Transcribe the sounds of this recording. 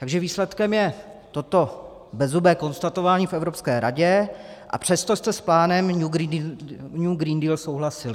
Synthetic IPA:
t̪aɡʒɛviːslɛt̪kɛmjɛt̪o̞t̪o̞ | bɛzubɛːko̞nst̪at̪o̞vaːɲiːfʔɛvɾo̞pskɛːɾʔa̰ɟɛ | ʔa̰pr̝̥ɛst̪o̞st̪ɛsplaːnɛmɲuɡ | ɲuɡɾiːndiːlso̞wɦlasɪl

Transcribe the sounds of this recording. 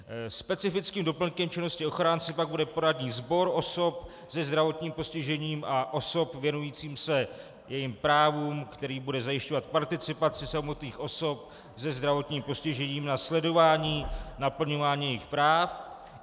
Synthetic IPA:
spɛt͡sɪfɪt͡skiːmdo̞pl̩ŋkɛmt͡ʃɪno̞scɪo̞xɾaːnt͡sɪpaɡ̚budɛpo̞ɾadɲiːzbo̞ɾo̞so̞p | z̥ɛzd̪ɾavo̞t̪ɲiːmpo̞scɪʒɛɲiːmʔaʔo̞so̞pvjɛnujiːt͡siːmsɛ | jɛjimpɾaːvuːmkt̪ɛɾiːbudɛzajɪʃcovat̪̚paɾt̪ɪt͡sɪpat͡sɪsamo̞t̪niːxʔo̞so̞p̚ | zɛzd̪ɾavo̞t̪ɲiːmpo̞scɪʒɛɲiːmnaslɛdo̞vaːɲiːnapl̩ɲo̞vaːɲiːjɛjɪxpɾaːf

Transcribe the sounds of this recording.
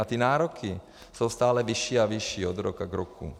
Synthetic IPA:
at̪ɪnaːɾokʰɪ | sowst̪aːlɛvɪʃiːavɪʃiːod̪ɾokaɡɾokṵ

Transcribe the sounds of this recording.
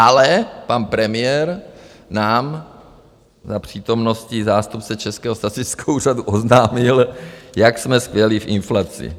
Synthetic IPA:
ʔalɛpanpɾɛmɪjɛɾnaːm | zapr̝̥iːt̪o̞mno̞scɪzaːst̪upt͡sɛt͡ʃɛskɛːɦost̪asɪskouraduʔoznaːmɪljaksmɛskvjɛlifʔɪnflat͡sɪ̰

